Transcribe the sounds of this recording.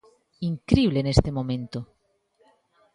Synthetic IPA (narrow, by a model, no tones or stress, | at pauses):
iŋkɾiβlenest̪emõmẽnt̪o